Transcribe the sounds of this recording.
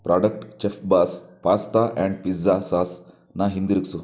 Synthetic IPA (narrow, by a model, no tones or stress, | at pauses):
pɾaːɖɐk̚ʈt͡ʃefbaːspaːst̪aʔɛ̃ɳɖ̚pizasaːs | naɦind̪iɾiksu